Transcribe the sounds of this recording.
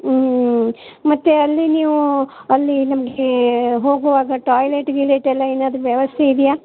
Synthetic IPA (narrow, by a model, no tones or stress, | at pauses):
mɐt̪ːeɐlːiniːʋuɐlːinɐmɐɡeɦo̞ːɡuʋaːɡɐʈaːjleʈɡileʈɛlːɐeːnaːd̪ɐɾuʋjɐʋɐst̪ʰeid̪ijaː